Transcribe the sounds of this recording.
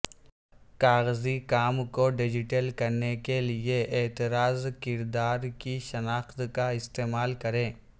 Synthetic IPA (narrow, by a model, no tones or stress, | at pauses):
kaːɣzikaːmkoɖɪd͡ʒɪʈəlkɐɾnekelieeːt̪ɪɾaːzkɪɾd̪aːɾkiʃɐnaːxt̪kaɪst̪eːmaːlkɐɾẽː